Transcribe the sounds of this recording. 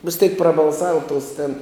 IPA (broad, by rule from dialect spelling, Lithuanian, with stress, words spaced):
ʋʲɪs tʲɛɪk prɐbɐlˠˈsɑːʋɐ toːs tʲeːn